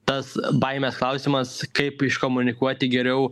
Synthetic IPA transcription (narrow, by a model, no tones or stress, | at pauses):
t̪ɐsbɐɪmʲɛsklˠɐʊsʲɪmɐskɐɪpɪʃkomʊnʲɪkuɔt̪ʲɪɡʲɛɾʲɛʊ